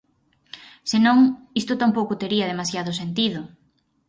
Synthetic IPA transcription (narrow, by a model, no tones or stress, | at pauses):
senõŋist̪ʊt̪ampowkʊt̪eɾiɐð̞emasjaðʊsent̪iðʊ